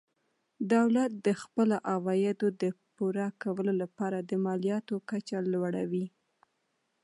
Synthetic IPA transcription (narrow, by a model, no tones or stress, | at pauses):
d̪awlat̪̚d̪əxpəlaʔawɑjɪd̪od̪əpuɾakawəlolapɑɾad̪əmɑlijɑt̪okat͡ʃalwaɽawi